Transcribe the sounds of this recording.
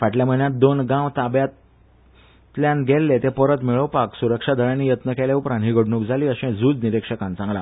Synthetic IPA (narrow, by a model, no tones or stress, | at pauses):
ʋaʈljam̤əɭnjat̪̚d̪onɡãʋt̪abjat̪ | ljãnɡʱelːet̪epəɾət̪miɭəʋpaksuɾəkʂad̪əɭjanːiːjət̪nəkeljaupɾanɦiːɡʱəɽɳũːkd͡zʱaliːəɕẽd͡zuːd͡zniɾekʂəkãnt͡sãŋɡla